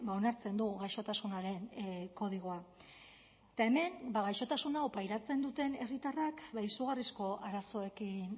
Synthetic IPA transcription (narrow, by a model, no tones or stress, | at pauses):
bao̞naɾt͡se̞nd̪uɣajʃo̞t̪asunaɾe̞nko̞ðiɣ̞o̞a | t̪ae̞me̞nbaɣajʃo̞t̪asunaopajɾat͡se̞nd̪ut̪e̞ne̞rit̪arakbaisuɣarisko̞ʔaɾaso̞e̞kin